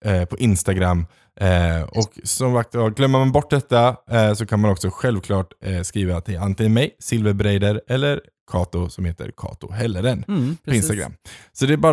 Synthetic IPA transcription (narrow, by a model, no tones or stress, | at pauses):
pʰɔʔɪnst̪aɡɾamː | ɔksɔmvak̚t̪aɡlœmːəɾmanbɔʈːd̪ɛt̪ːasɔkʰanmanɔksɔɧɛlvkʰlɑːʈskɾiːvat̪ʰɪant̪ɪŋənmɛjsɪlvəɾbɾɛjd̪əɾɛlːəɾ | kʰɑːt̪ʊsɔmheːt̪ʰə̰ɾkʰɑ̰ːt̪ʊ̰ɦɛlːəɾənpʰɔɪnsst̪aɡɾa̰mːsɔd̪ɛæbɑː